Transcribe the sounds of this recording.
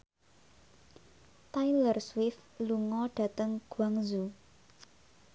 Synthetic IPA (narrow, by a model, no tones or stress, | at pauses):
t̪ajlərswɪfluŋɔɖ̥ä̤t̪əŋɡ̥waŋzu